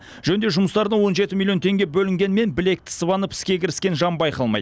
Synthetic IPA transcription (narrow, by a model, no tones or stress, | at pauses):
ʒ̥ɵnd̪e̞ʒʊməst̪ɑɾəd̪əwo̞nʒe̞t̪ɪmilʲˠijo̞nt̪ʰe̞ŋɡʲebɵlɪŋɡʲe̞nme̞nbɪle̞k̚t̪ɪ̥səβɑnəpɪ̥skʲe̞kʲʰɪɾɪskʲe̞nʒɑmbɑjqɑlˠmɑ̰jd̪